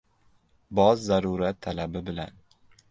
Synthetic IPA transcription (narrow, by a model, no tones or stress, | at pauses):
bɒzːaɾuɾat̪ʰːalabɪbɪla̰n